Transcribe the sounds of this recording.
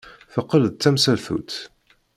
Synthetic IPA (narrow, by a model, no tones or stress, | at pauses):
θəqːələðt͡s̪ːæmsælθṵt̪